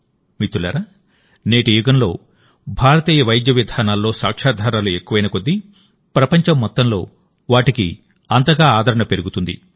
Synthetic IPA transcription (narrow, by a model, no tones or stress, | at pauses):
mit̪ːula̰ːɾa | neːʈijuɡɐnlo̞ː | bʱaːɾɐt̪iːjɐʋɐjd̪jɐʋid̪ʱaːnaːlːo̞ːsa̰ːkʂaːd̪ʱaːɾaːlue̞kːuʋɐjnɐkod̪ːi | pɾɐpɐɲt͡ʃɐmːɔt̪ːɐmlo̞ː | ʋaːʈikḭ | ɐnt̪ɐɡaːaːd̪ʱɐɾɐɳɐpe̞ɾuɡut̪und̪ḭ